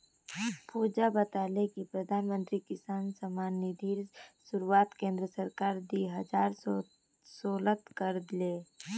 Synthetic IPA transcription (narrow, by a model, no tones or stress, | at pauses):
puːd͡ʒabət̪aːlekipɾəd̪ʱaːnmə̃nt̪ɾikɪsaːnsəmaːnːid̪ʱiːɾsʊɾuaːt̪kẽːnd̪ɾəsəɾkaːɾd̪iɦɐd͡ʒaːɾ | soːlət̪kəɾd̪leː